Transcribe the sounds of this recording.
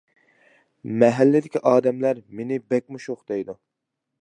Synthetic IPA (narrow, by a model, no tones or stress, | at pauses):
mɛɦɛlːɪd̪ɪkʲʰiʔɑːd̪ɛmlæɾmenɪbɛk̚ʲmuʃoχd̪ejd̪u